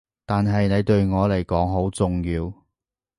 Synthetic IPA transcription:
t̪aː˨nɦɐ˨jne˨˧jt̪ɵ˧ɥŋɔː˨˧le˨˩jkɔː˨˥ŋɦo˨˥wt͡sʊ˨ŋjiː˧w

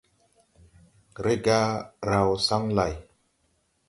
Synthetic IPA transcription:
ɾe˦ɡa˦ɾa˨wsa˦ŋla˨j

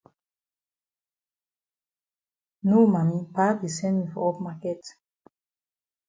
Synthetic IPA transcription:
nu˦ma˨ni˦pa˦bi˨sɛ˦nmi˨fɔ˨ɔ˦pma˦kɛ˦t

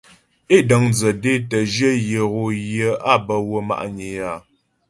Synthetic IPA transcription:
e˦˨də˨ŋd͡zə˨de˦tə˨d͡ʒə˦jə˨ɣo˨jjə˨˦a˦bə˨wə˦ma̰˨ʔɲe˨ja˨

